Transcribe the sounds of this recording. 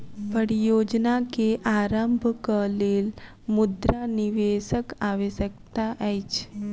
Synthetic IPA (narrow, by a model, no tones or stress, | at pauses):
pəɽijod͡ʒnakeʔaɾəmbʱkəleːl | mud̪ɾaniʋesəkaʋesəkt̪aʔajt͡ʃ